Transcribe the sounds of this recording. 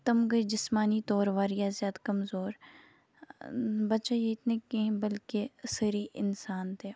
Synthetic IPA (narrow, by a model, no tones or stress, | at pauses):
t̪ɐmɡəd͡ʒɪsmaːnit̪ɔːɾʋaːɾijazjaːd̪akɐmzoːɾ | bɐt͡ʃajeɪt̪nekeĩbɐlkesəɾiʔɪ̰nsaːnt̪eː